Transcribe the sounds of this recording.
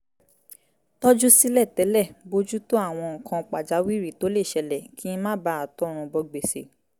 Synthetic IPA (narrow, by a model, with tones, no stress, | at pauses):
tɔ˦d͡ʒu˦si˦lɛ˦˨tɛ˨˦lɛ˦˨bo˧d͡ʒu˦to˦a˦˨w̃ɔ̃˧ŋ̩˨kã˧k͡pa˨d͡ʒa˨˦wi˦ɾi˦˨to˨˦le˦˨ʃɛ˧lɛ˨ki˨˦ĩ˧mã˦ba˦a˨tɔ˨˦˨ɾ̃ũ˧bɔ˧ɡ͡be˨se˨